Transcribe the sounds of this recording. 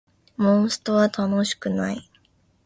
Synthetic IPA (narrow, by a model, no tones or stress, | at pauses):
mõsɨ̥t̪o̞βat̪ʰano̞ɕi̥kɯ̟nai